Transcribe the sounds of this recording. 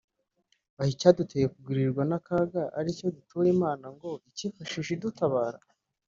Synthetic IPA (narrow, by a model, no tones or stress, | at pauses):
ahicaːdutʰejekuɡiɾiɾɡwanakaːɡaʔaɾico̞dutuɾimaːnaŋɡo̞icifaʃiːʃedutaβaːɾa